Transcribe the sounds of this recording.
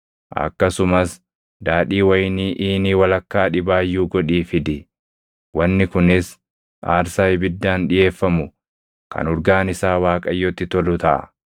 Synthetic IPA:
ʔɐ̰kːɐsʊmɐs | d̪aːᶑiːwɐjniːʔiːniːwɐlɐkːaːᶑɪbaːjːuːɡɔᶑiːfɪd̪ɪ | wɐnːɪkʊnɪs | a̰ːɾsaːjbɪd̪ːaːnᶑɪje̞ːfːɐmʊ | kʰɐ̰nɔɾɡaːnɪsaːwaːkʼɐjːɔt̪ːɪt̪ɔlʊt̪ɐʔɐ̰

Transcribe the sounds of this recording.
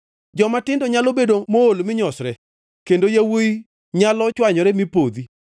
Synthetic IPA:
d͡ʒɔmatɪndɔɲalobedomoolmɪɲɔsɾɛ | kendojawoi | ɲalɔt͡ʃwaɲɔɾɛmipod̪i

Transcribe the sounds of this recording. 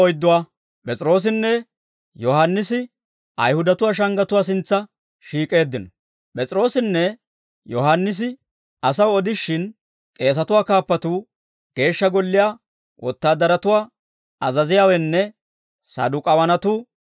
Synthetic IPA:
ɔjd̪ːʊwaː | pʼɛt͡sʼɪɾo̞ːs̬ɪnːɛ | jɔhanːɪsɪ | ʔɐ̰jhʊd̪ɐt̪ʊwaːʃ̬ɐŋɡɐt̪ʊwaːs̬ɪnt͡sːɐ | ʃiːkʼe̞ːd̪ːɪnɔ | pʼɛt͡sʼɪɾo̞ːsɪnːɛ | jɔhɐnːɪs̬ɪ | ɐsɐwɔd̪ɪʃːɪn | kʼe̞ːs̬ɐt̪ʊwaːkaːpːɐt̪uː | ɡ̥e̞ːʃːɐɡɔlːɪjaː | wʔɔt̪ːaːd̪ːɐɾɐt̪ʊwaː | ɐzɐzɪjaːwɛnːɛ | sɐ̰d̪ʊkʼɐwɐnɐt̪uː

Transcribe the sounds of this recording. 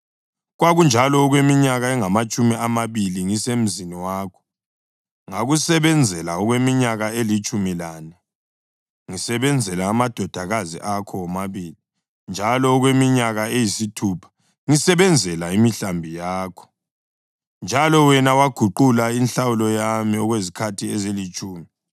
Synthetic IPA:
ɣwaɣund͡ʒʱalɔːɣwemiɲaɣaɛŋamat͡ʃʼumiamaβiliŋisem̩ziniwaːkʰɔ̥ | ŋaɣusɛβɛnd͡zʱɛlaɔɣwemiɲaɣaelit͡ʃʼumilaːna | ŋisɛβɛnd͡zʱɛlaːmad̥ʱɔd̥ʱaɣazḭʔakʰɔɔmaβiːli | nd͡ʒʱalɔːɣwemiɲaɣaejisitʰupʰḁ | ŋisɛβɛnd͡zʱɛlaimiɬambʱijaːkʰɔ̥ | nd͡ʒʱalɔwɛnawaɡ̥ʱuǃulainɬawulɔjamiɔɣwezikʰatʰiɛzelit͡ʃʼuːmi

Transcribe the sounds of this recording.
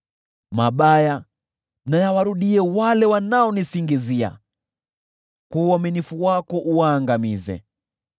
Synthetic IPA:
maɓaja | najawaɾuɗiɛwalɛwanaɔnisiŋɡizia̰ | kuaminifuwakɔʔuwaːŋɡamizɛ̰

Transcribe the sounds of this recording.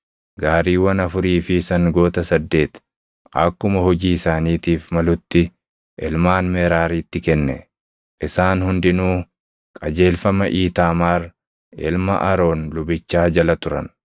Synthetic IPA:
ɡaːɾiːwɐnɐfʊɾiːfɪsɐŋɡo̞ːt̪ɐsɐd̪ːe̞ːt̪ | ʔɐ̰kːʊmɐhɔd͡ʒiːɪsaːniːt̪iːfmɐlʊt̪ːɪ | ʔɪlmaːnmɛːɾaːɾiːt̪ːɪkɛnːɛ̰ | ʔɪsaːnhʊnd̪ɪnuː | kʼɐd͡ʒe̞ːlfɐmɐʔiːt̪aːmaːɾ | ɪlmɐ̰ʔɐɾo̞ːnlʊbɪt͡ʃːaːd͡ʒɐlɐt̪ʊɾɐ̰n

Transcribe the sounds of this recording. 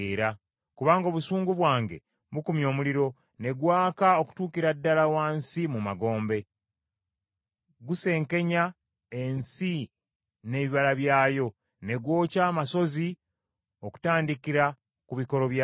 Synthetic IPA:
eɾa | kuβaːŋɡo̞ːβusuːŋɡuβwaːŋɡe̞̰ | βukumjo̞ːmuliɾo̞ | ne̞ɡwaːkaoku̥tuːkiɾadːalawaːnsimumaɡo̞ːmbe̞ | ɡuse̞ːŋke̞ɲa | e̞nsi | ne̞ːβiβalaβjaːjo̞ | ne̞ɡwo̞ːcaːmaso̞zi | o̞ku̥taːndikiɾa | kuβiko̞ɾo̞βj

